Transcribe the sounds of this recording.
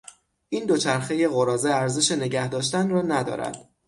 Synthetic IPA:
ʔiːnd̪o̞t͡ʃʰæɾxe̞je̞ɣoɾɒːzeæɾze̞ʃe̞ne̞ɟæhd̪ɒːʃ̬t̪ænrɒːnæd̪ɒ̰ːɾæ̰d̪̥

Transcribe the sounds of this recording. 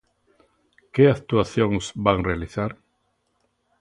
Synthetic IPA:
keakt̪uaθjoŋsbaŋrealiθaɾ

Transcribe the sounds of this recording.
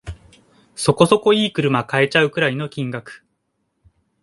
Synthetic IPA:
so̞ko̞so̞ko̞iːkɯ̟ɾɯ̟makae̞t͡ɕaɯ̟kɯ̟ɾaino̞kʲĩŋɡakɯ̥

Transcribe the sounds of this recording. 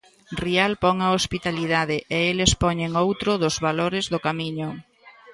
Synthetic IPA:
rialpɔŋaospit̪aliðaðɪʔeelespɔɲeŋowt̪ɾʊðʊzβaloɾɪzðʊkamiɲʊ

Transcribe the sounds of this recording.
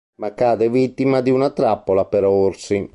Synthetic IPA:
makːaːd̪ɛvit̪ːimad̪iunat̪ɾapːolapɛɾoɾsi

